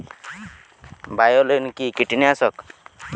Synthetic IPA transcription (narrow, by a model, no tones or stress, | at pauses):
bajɔlɦinkikiʈiniasɔk